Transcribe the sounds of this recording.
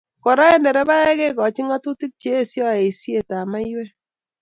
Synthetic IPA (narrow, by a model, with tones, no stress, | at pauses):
kɔ˨ɾa˦ɛ˦ndɛ˨ɾɛ˦ba˦ɛ˦ke˦kɔ˨t͡ʃi˦ŋa˦tu˦ti˦k̚t͡ʃeː˦sjɔ˦e˨sje˨ta˨ma˦jwɛ˦